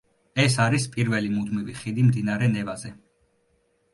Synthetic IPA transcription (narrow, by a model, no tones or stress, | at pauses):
ɛsaɾispʼiɾvɛlimud̪miviχid̪imd̪inaɾɛnɛvazɛ